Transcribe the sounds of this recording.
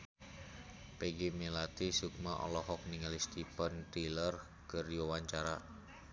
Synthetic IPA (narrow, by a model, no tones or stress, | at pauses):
peɡimelat̪isuk̚maʔɔ̰lɔhɔk̚niŋalist̪ipənt̪ilər | kərjowaɲt͡ʃaɾa